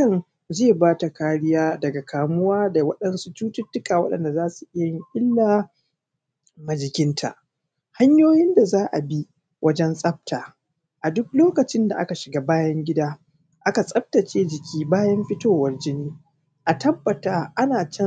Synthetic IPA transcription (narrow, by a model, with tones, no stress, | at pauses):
ɐ˦n | zeː˦˨baː˦ta˨kaː˦ɽɪ˦jaː˦dɐ˨ɡa˨kʰaː˨mʊ˦waː˦da˨wɐ˦ɗɐ˦nsu˦t͡ʃuː˦tʊ˦tːʊ˦kaː˨wɐ̰˦ɗɐ̰˨nda˨zaː˦su˨ʔɪ˦jɐɪ˨ŋʔʲʼɪ˦lːaː˨ | mɐ˨d͡ʒɪ˨kʲɪ˦ntʰa̰˨ʔ | ha˦ɲjoː˦jɪ˦nda˨zaː˦ʔa̰˨bi˦ | wʔɐ˦d͡ʒɛ˦nsʼɐ˦b̚taː˨ | ʔa˨dʊ˦k̚loː˦kɐ˨t͡ʃɪ˦nda̰˨ʔa̰˦ka˨ʃɪ˨ɡaː˦baː˦jɐ˦ŋɡʲɪ˦daː˦ | ʔa˦ka˨sʼɐ˦p̚ta˨t͡ʃeː˦d͡ʒɪ˨kʲʰiː˦baː˦jɐ˦mɸɪ˦toː˦˨wɐ˦rd͡ʒɪ˦niː˦ | ʔa˨tɐ˦bːɐ˨taː˦ʔa˦naː˨t͡ʃɛ˦